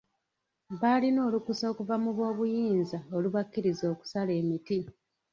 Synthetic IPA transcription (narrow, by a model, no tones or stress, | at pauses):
βalino̞ːlukuso̞ːkuvamuβwo̞ːβujiːnzaoluβakːiɾizo̞ːku̥sale̞ːmiti